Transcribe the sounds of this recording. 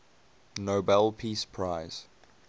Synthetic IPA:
nobɛlpʰispʰɹaɪz̥

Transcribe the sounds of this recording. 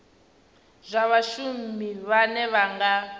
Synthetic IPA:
zʷaβaʃumiβanɛβaŋɡa

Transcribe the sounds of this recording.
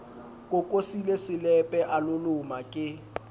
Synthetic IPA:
kʼʊkʼosilesɪlɛpʼɛʔalʊlʊmakʼɪ

